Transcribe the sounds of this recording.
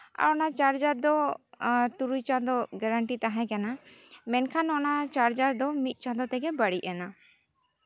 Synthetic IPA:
a̰ɾɔnat͡ʃaɾd͡ʒaɾd̪ɔ | t̪uɾujt͡ʃad̪ɔɡɛɾaɳʈit̪aɦãkanamɛnkʰanɔnat͡ʃaɾd͡ʒaɾd̪ɔmit̪̚ˀt͡ʃad̪ɔt̪ɛɡɛbaɽiɛna

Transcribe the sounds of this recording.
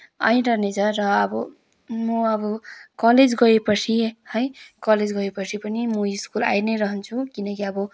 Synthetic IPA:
ʌj̃ɾʌrnet͡sʰʌːʌːbʌ | mʌʌbʌkʌled͡zɡʌepʌt͡sʰihʌjkʌled͡zɡʌepʌt͡sʰipʌnimʌ̃iskula̰jnʌjɾʌɦʌnt͡sʰukinʌkiʌbʌ

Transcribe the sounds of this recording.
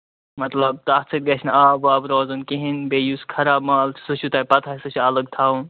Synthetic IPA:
mɐt̪lɐb̚t̪at͡sʰɨt̪̚ɡɐt͡ʃʰnaːbaːbɾoːzɨnkiɦinbejuskʰɐɾaːbmaːlt͡ʃʰsɨʃʰut̪ajpɐt̪ʰaːsɨt͡ʃʰiɐləɡt̪ʰaːun

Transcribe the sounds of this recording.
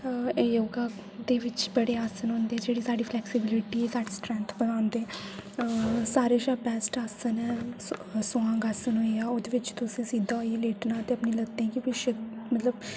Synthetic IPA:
eːjoːɡãː | d̪eːʋɪt͡ʃbəɽeːaːsənɦoːnd̪eːd͡ʒeːɽiːsaːɖiːpʰlɛːksɪbɪlɪʈiːɛːsaːɖeːsʈɾɛ̃nt̪ʰbənaːnd̪eː | saːɾeːʃaːpɛːsʈaːsənɛː | sõãːɡaːsənɦoːiaːoːd̪eːʋɪt͡ʃt̪ʊsẽːsiːd̪aːɦoieːleːʈnãːt̪eːəpniːləɡ̚t̪eɛ̃ːkikiʃəmət̪ləb

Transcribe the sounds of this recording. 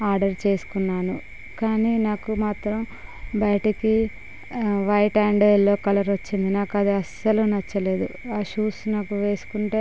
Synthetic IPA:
aːɾɖɐɾt͡ʃe̞ːsu̥kunːaːnu | kaːniːnaːkumaːt̪ɾɐm | bɐjɐʈɐki | ʋɐjʈaːɳɖlːo̞ːkɐlɐɾʋot͡ʃːind̪inaːkuɐd̪iɐsɐlunɐt͡ʃːɐle̞ːd̪uaːʃuːsnaːkuʋe̞ːsu̥kuɳʈe̞ː

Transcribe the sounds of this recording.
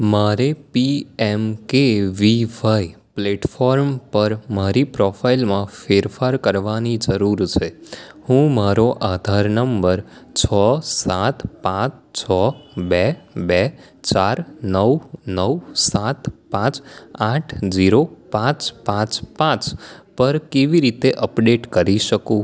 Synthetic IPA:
maɾepiɛmkeʋiʋai | pleʈfɔɾmpəɾmaɾipɾɔfʰailmãfeɾfaɾkəɾʋanid͡ʒəɾuɾt͡ʃʰehũmaɾoʔad̪ʱaɾnəmbəɾt͡ʃʰɔsat̪pãt͡ʃt͡ʃʰɔbɛbɛ | t͡ʃaɾnəwnəwsat̪pãt͡ʃaʈʰd͡ʒiɾopãt͡ʃpãt͡ʃpãt͡ʃpəɾkeʋiɾit̪eʔəpɖeʈkəɾiʃəkũ

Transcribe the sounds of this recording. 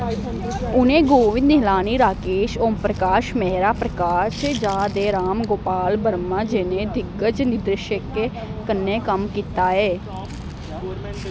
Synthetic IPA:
ʊnẽːɡoːʋɪ̃d̪nɪɦlaːniːɾaːkeːʃoːmpɾəkaːʃmɛɦɾaːpɾəkaːʃd͡ʒaːd̪eːɾaːmɡoːpaːlbəɾmãːd͡ʒenẽːd̪ɪɡət͡ʃnɪd̪ɾəʃəkːe | kənːẽːkəmkiːt̪aːɦɛː

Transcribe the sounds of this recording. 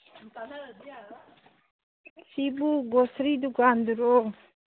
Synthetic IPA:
sibuɡɔsɾid̪uɡand̪uɾɔk

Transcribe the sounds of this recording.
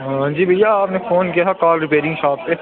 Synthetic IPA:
ə̃d͡ʒiːbʱɐjaaːpnẽfoːnkijaɦɛkaːlɾɪpeːɾɪ̃ŋɡʃaːpːe

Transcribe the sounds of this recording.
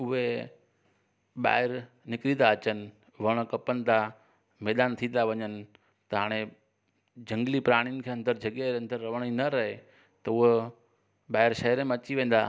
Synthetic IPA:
ʊɦe | ɓa̰ːɪɾ | nɪkɾid̪aɐt͡ɕənɪ̆ | ʋɐɽ̃̆kɐpənɪ̆d̪a | mɛːd̪aːnt̪ʰĩːnd̪aʋɐɲənɪ̆ | t̪ɐɦaːɽ̃e | d͡ʑɐ̃ŋɡlipɾaːɽ̃jənɪ̆kʰeːɐ̃nd̪əɾd͡ʑʱɐɠeɐ̃nd̪əɾːɐʋəɽ̃inɐɾɐɦe | t̪ɐʊɦe | ɓaːɦɪɾʃɐɦɪɾemẽɐt͡ɕiʋẽːn̆d̪aː

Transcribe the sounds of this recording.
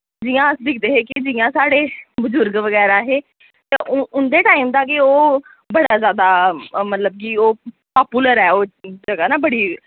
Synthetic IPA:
d͡ʒɪjãːəsd̪ɪkʰd̪eːɦeːkɪɪd͡ʒɪjãːsaːɽeːbʊzʊɾɡʋəɡɛːɾaːɦeː | t̪eʔʊʊnd̪eːʈaːimd̪aːk̬eoː | bəɽaːzjaːd̪aːmət̪ləb̚kiːoː | paːpuːləɾɛːoːd͡ʒəɡaːnaːbəɽiː

